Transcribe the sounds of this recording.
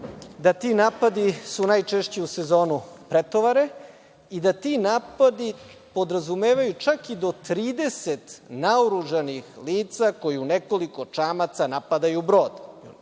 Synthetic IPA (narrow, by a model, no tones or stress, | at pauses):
d̪at̪inaːpad̪isunajt͡ʃeʃt͡ɕeuse̞zo̞ːnupɾet̪o̞ʋaɾe̞ | id̪at̪inaːpad̪i | po̞d̪ɾazumeːʋajut͡ʃakid̪o̞t̪ɾiːd̪e̞set̪naoɾuʒanixliːt̪sako̞jiuneko̞liko̞t͡ʂaːmat̪sanapad̪ajubɾo̞ːd̪